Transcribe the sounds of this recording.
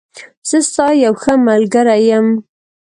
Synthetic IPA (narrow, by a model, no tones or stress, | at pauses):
z̥əst̪ɑjawxəmalɡəɾajəm